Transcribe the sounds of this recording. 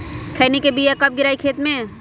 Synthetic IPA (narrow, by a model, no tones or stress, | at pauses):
kʰɛːnekebijakɐp̚ɡɪɾaːikʰeːt̪mẽ